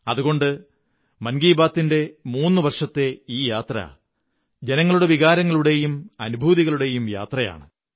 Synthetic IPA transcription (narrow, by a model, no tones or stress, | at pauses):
ɐðuɣo̞ɳɖɨ | mɐnɡiːbaːt̪ːinde̞muːnːɨʋɐrʂɐt̪ːe̞iːjaːt̪rɐ̰ | d͡ʑe̞nɐŋːɐɭuɽe̞ʋiɣaːɾɐŋːɐɭuɽe̞jumɐnubʱuːðiɣɐɭuɽe̞jumja̰ːt̪rɐja̰ːɳɨ